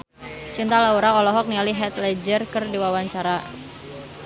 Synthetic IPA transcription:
t͡ʃint̪alauɾaɔlɔɦɔk̚nialiɦɛt̪lɛd͡ʒərkərdiwawaɲt͡ʃaɾa

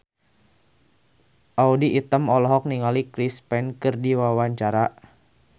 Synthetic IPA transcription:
ʔaudiːt̪əmɔlɔɦɔk̚niŋalikɾispɛnkɨrdiwawaɲt͡ʃaɾa

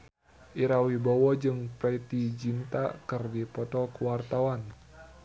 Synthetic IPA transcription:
ʔiɾawibɔwɔd͡ʒɨŋpɾɛit̪id͡ʒint̪akɨrdipɔt̪ɔkuwart̪awan

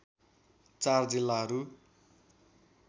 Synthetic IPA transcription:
t͡sard͡zilːaɦʌɾu

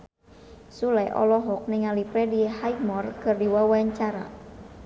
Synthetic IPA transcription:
sulɛʔɔ̰lɔɦɔk̚nɪŋalipɾɛdihajmɔrkɨrdiwawaɲt͡ʃaɾa̰

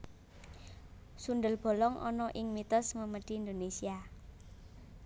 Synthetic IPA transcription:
sunɖ̪əlb̥o̤lɔŋʔɔ̰nɔʔɪŋmit̪ɔsməməɖ̥i̤ːnd̪onesia

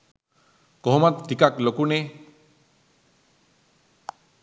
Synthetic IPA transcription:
kɔɦmat̪tikaklokune

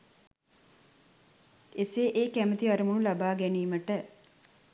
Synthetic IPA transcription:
eseːʔeːkæmət̪iɐɾumunulabaːɡæniːməʈə

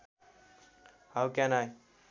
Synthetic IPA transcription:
hawkɛ̃naj

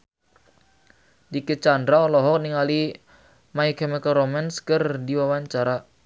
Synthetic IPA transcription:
dikət͡ʃandɾaɔlɔɦɔk̚niŋali | maikɛmɛkaɾomɛnskərdiwawaɲt͡ʃaɾa

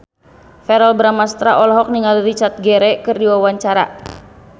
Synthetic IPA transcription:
fɛɾalbɾamast̪ɾaʔɔlɦɔk̚niŋalirit͡ʃat̪̚ɡɛɾɛkɨrdiwawaɲt͡ʃaɾa̰

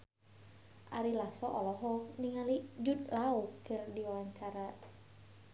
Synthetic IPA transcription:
ʔa̰ɾilasɔʔɔlɔɦɔniŋalid͡ʒud̪laukɨrdiwaɲt͡ʃaɾa

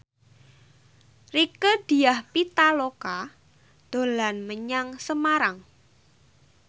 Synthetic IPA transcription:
rikəd̪̥i̤jahpit̪aloka | d̪̥o̤lanməɲaŋsəmaɾaŋ

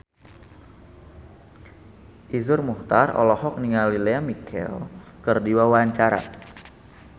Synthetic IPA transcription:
ʔizʊrmuht̪arɔ̰lɔhɔk̚niŋalileamikʰɛ̰lkərdiwawaɲt͡ʃaɾa̰

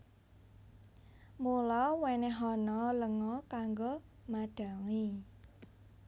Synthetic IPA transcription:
mulɔweneɦɔnɔləŋɔkaŋɡomaɖ̥a̤ŋi

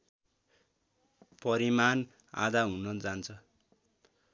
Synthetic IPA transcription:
pʌɾiman | a̰d̪aɦunʌd͡zant͡sʰʌ

